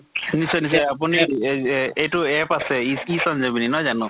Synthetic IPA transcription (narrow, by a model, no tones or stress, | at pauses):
nisɔjnis̬ɔjap̬uni | ejtuɛpasɛisand͡ʒabininɔjzanu